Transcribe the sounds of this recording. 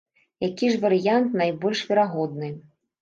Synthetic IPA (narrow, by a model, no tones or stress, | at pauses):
jakʲiʐvɐɾɨjant̪najbɔlʲʂvʲɛɾaɣɔd̪nɨ